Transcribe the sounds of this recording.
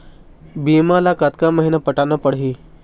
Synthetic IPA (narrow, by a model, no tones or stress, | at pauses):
biːmalakat̪kaməɦinapəʈanəpəɽɦiː